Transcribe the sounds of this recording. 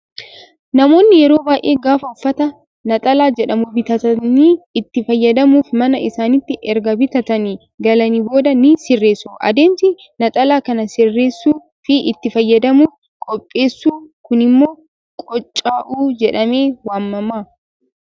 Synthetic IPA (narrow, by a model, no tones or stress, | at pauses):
nɐmo̞ːnːɪjɛɾo̞ːbaːjʔe̞ːɡaːfɐʊfːɐt̪ɐ | nɐt̪ʼɐlaːd͡ʒɛᶑɐmʊbɪt̪ɐt̪ɐniːɪt̪ːɪfɐjːɐd̪ɐmuːfmɐnɐɪsaːnɪt̪ːɪʔɛɾɡɐbɪt̪ɐt̪ɐniː | ɡɐlɐnibo̞ːd̪ɐnisɪrːeːsuʔɐ̰d̪e̞ːmsɪ | nɐt̪ʼɐlaːkɐnɐsɪrːe̞ːsːuː | fɪʔɪt̪ːɪfɐjːɐd̪ɐmuːf | kʼɔpʼːe̞ːsːuːkʊnɪmːo̞ː | kʼɔt͡ʃʼːaːʔuːd͡ʒɛᶑɐme̞ːwaːmːɐmːaː